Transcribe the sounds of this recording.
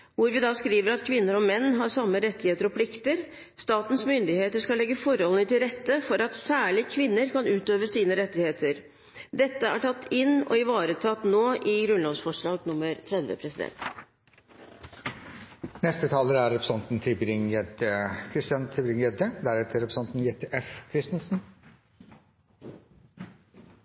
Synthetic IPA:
ʋʊɾʋɪd̪ɑskɾiːʋəɾɑt̪kʰʋɪnːəɾɔmɛnːɦɑɾsɑmːəɾɛt̪ːɪheːt̪əɾɔpʰlɪkt̪əɾ | st̪ɑːt̪n̩smʏnd̪ɪheːt̪əʂkɑlɛɡːəfɔɾhɔlən̩ət̪ɪlɾɛt̪ːəfɔɾɑt̪sæːɭɪkʰʋɪnːəɾkɑnʉːt̪øːʋəsiːnəɾɛt̪ːɪheːt̪ʰəɾ | d̪ɛt̪ːəæ̰ʈʰɑt̪ːɪnːɔ̰ɪʋɑːɾət̪ʰɑt̪ːnoːʔɪɡɾʉnloːʋsfɔʂɭɑːɡnʊmːəɾt̪ʰɾɛd̪ʋə̰pʰɾɛsɪd̪ɛ̰nt̪ | nɛst̪ət̪ʰɑːləɾæɾɛpʰɾə̥sɑnt̪n̩t̪ʰɪbɾɪŋɛd̪əkʰɾɪst̪ɪjɑnt̪ʰɪlbɾɪŋjɛd̪əd̪æɾɛt̪ʰəɾɛpɾəsɑnt̪n̩jet̪ʰeʔɛfkʰɾɪst̪ənsn̩

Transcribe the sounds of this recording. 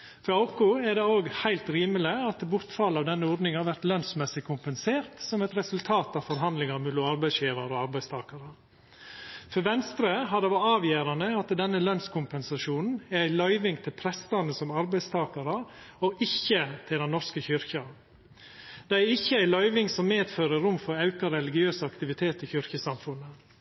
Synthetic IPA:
fɔɾɑʊkʊæd̪ɛoːɡhæɪlt̪ɾiːməlɪɑt̪bʊɾt̪fɑlɑʋd̪ɛnːəɔɾd̪nɪŋhɑɾʋæɾt̪lœnsmɛsɪkʰʊmpɛnseːɾt̪sɔmɛt̪ɾɛsʉlt̪ʰɑːt̪ɑʋfɔɾɦɑnd̪lɪŋɑɾmɛluːɑɾbæɪsçjeːɾɑɾɔɑɾbæɪst̪ʰɑːkɑɾə | fɔɾʋɛnst̪ɾəɦɑd̪ɛʋɑɑːʋjeːɾɑnəɑt̪d̪ɛnːəlœnskʰʊmpɛnsɑʂuːnn̩æɾæɪlɑʏʋɪŋt̪ʰɪlpʰɾɛst̪ɑnəsɔmɑɾbæɪst̪ʰɑːkɑɾə | ɔʔɪçːət̪ʰɪld̪ɛnːɔɾskəçʏɾçɑ | d̪̥ɛæɾɪçːəæɪlɑʏʋɪŋsɔmːeːd̪føːɾəɾʊmfɔɾɑʉkɑɾɛlɪɡɪøːsɑkt̪ɪʋɪt̪ʰeːt̪ɪçʏɾçəsɑmfʉnːə

